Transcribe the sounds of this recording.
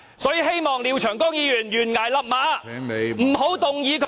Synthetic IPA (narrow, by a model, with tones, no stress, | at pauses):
sɔː˨˥jiː˨˧he˥jmɔː˨˩ŋli˨˧wt͡ʃʰœː˨˩ŋkɔː˥ŋjiː˨˧jyː˨˩njyː˨˩nŋaː˨˩jlɐ˨p̚maː˨˧m̩˨˩ɦo˨˥wt̪ʊ˨ŋjiː˨˧kʰ